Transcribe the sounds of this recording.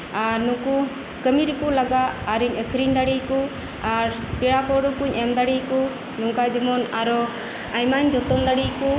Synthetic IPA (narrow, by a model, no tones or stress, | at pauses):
aɾnuku | kəmiɾikulaɡaːɾiɲəkʰɾind̪aɽiku | aɾ | piɽapɔɾɔkuɲʔɛmd̪aɽiku | nuŋkajd͡ʒɔmɔnaɾɔ | ajmaɲd͡ʒɔt̪ɔnd̪aɽiku